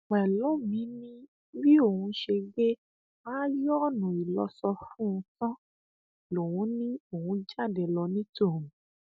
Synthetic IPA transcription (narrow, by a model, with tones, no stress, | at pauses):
m˨ɛ˨lɔ̃˨˦mĩ˨˦nĩ˦ | wi˦o˦˨hũ˧ʃe˧ɡe˦ | a˦jɔ˦˨nũ˨i˨lɔ˧sɔ˧fũ˦ũ˧tɔ̃˦ | lo˨wũ˨˦nĩ˦o˨hũ˧d͡ʒa˦˨dɛ˨lɔ˧nĩ˦tõ˦˨ũ˨˦